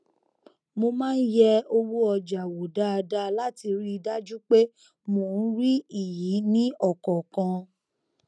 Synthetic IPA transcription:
mo˧mãː˦n̩˦jɛ˦o˧wo˦ɔ˧d͡ʒa˨wo˨da˦a˧da˦la˦ti˧ɾi˦˧da˦d͡ʒu˦k͡pe˦ | mo˨n̩˦ɾi˦i˦˨ji˨˦nĩ˦ɔ˦˨kɔ˨kã˧

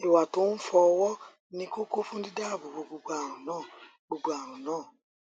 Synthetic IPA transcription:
i˨wa˨to˨˦n̩˦fɔ˧wɔ˦ | nĩ˦ko˦ko˦fũ˦di˦da˦˨bo˨bo˧ɡ͡bo˧ɡ͡bo˨˦a˨ɾ̃ũ˨nãː˦˨ | ɡ͡bo˧ɡ͡bo˧a˨ɾ̃ũ˨nãː˦˨

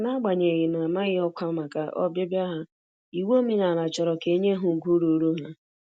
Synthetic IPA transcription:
na˦ɡ͡ba˨ɲe˨ɣɪ˨na˨ma˦ɣɪ˦ɔ˦kʷa˦ma˨ka˨ʔɔ̰˦be˦bja˦ɦa˦ | i˨wo˦mi˦na˨la˨t͡ʃɔ˨ɾɔ˨ke˦ɲe˦ɦʊ˨ɡʷu˦ɾu˨˦ɾo˦ɦa˦

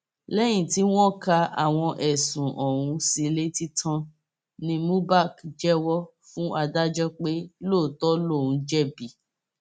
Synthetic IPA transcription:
lɛ˦j̃ĩ˦˨ti˨˦w̃ɔ̃˦˨ka˧a̰˨w̃ɔ̃˧ʔɛ˨sũ˨ʔɔ˨ɾũ˧si˧le˦ti˦tʰã˧ | nĩ˧mũ˦ba˦˨kd͡ʒɛ˦wɔ˦ | fũ˦ʔa˧da˦d͡ʒɔ˦k͡pe˦lo˦˨tɔ˦lo˦˨ũ˨d͡ʒɛ˦˨bi˨˦

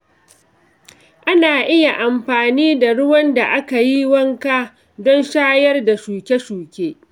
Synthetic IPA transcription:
ʔa˦naː˨ʔɪ˦ja˨ʔa˨mɸaː˨niː˦da˨ɽʊ˦wɐ˦nda˨ʔa˦ka˨ji˦wɐ˦ŋkaː˦ | dɔ˦nʃaː˦jɐ˦rda˨ʃuː˨kʲe˦ʃuː˨kʲeː˦

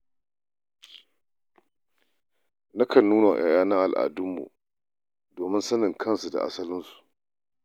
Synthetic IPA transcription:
na˦kʰɐ˨nːuː˦na̰˨ʔaː˨jaː˦na˦ʔa˨lʔa̰ː˨dʊ˦mːṵ˨ | doː˨mɪ˦nsɐ˦nɪ˨ŋkʰɐ˦˨nsu˨da̰˨ʔa̰˦sɐ˦lɪ˦nsu̥˨ʔ

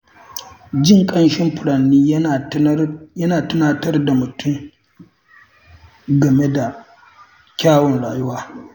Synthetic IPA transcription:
d͡ʒɪ˦ŋkʼɐ˦nʃɪ˦mɸʊ˨ɽɐ˨nːiː˦˨ | jɐ˦naː˨tʊ˦naː˨tɐ˦rda˨mʊ˨tʰʊ˦m | ɡɐ˨me˦da˨ | kʲaː˦wɔ˨nɽaː˨jʊ˦waː˦

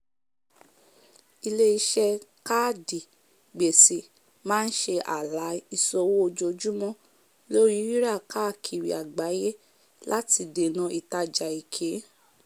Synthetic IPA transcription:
i˧le˦i˧ʃɛ˧ka˦di˨ | ɡ͡be˨se˨ | mãː˦n̩˦ʃe˧ʔa̰˨la˨˦i˧sɔ˧wo˦o˧d͡ʒo˧d͡ʒu˦mɔ̃˦ | lo˦ɾi˦wi˦ɾa˦˨ka˦˨kʰi˨ɾḭ˧˨a˨ɡ͡ba˨˦je˦ | la˦ti˧de˨nɔ̃˧i˨ta˧d͡ʒa˨i˨kʰe˨˦

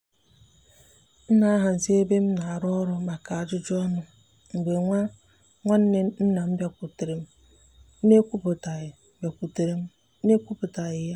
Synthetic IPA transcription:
n̩˦na˨a˦ɦa˨n̩˨si˦e˦be˦m̩˦na˨a˨ɾɔ˦ɾʊ˦ma˨ka˨a˨d͡ʒʊ˦d͡ʒɔ˦nʊ˦ | ŋ͡m̩˨ɡ͡be˨ŋʷa˦ | ŋʷa˦n̩˦ne˦n̩˦na˨m̩˦bja˦ku˨tɾe˨m̩˦ | ne˦kʷu˦pʊ˨ta˨˦ba˨kʷu˨te˨ɾe˦m̩˦ | e˦kʷu˦pʊ˨ta˨ɣɪ˨ja˦

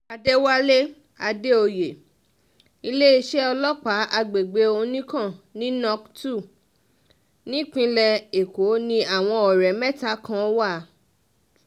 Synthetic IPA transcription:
a˧de˦wa˦le˦ | a˧de˦o˧je˨ | i˧le˦i˧ʃe˦ɔ˧lɔ˦k͡pa˨˦ʔa˧ɡ͡be˨ɡ͡be˧˦o˧nĩ˦kã˦˨nĩ˦nɔ̃˦ktu˦˨ | nĩ˨˦k͡pĩ˧lɛ˧e˨ko˨˦nĩ˦a˨w̃ɔ̃˧ɔ˨ɾɛ˨mɛ̃˦˨ta˦kã˧˦wa˦˨˦

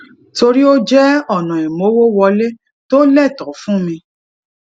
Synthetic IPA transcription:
to˧ɾi˦o˦d͡ʒɛ˦ɔ˦˨nã˨e˨mo˨˦wo˦wɔ˧le˦ | to˦lɛ˦˨tɔ˨˦fũ˦mĩ˧

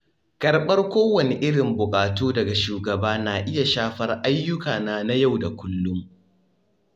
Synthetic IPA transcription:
kʼɐ˨rɓɐ˦rkʷoː˦wɐ˨ne˨ʔɪ˦ɽɪ˨mbʊ˨kʼaː˨toː˦dɐ˨ɡa˨ʃuː˨ɡɐ˨baː˦naː˨ʔɪ˦ja˨ʃaː˦ɸɐ˦rʔa˦jːʊ˦kaː˨naː˦na˦ja˦˨wda˨kʷʊ˦lːʊ˦m

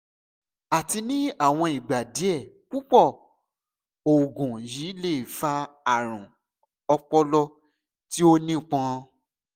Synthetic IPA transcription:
a˨ti˧nĩ˦a˦˨w̃ɔ̃˧i˨ɡ͡ba˨di˨˦ɛ˦˨ | k͡pu˦k͡pɔ˦˨ | o˨ɡũ˨jiː˨˦le˦˨fa˦ | a˦˨ɾ̃ũ˨ | ɔ˧k͡pɔ˦lɔ˦ | ti˦o˦nĩ˦˨k͡pɔ̃˧

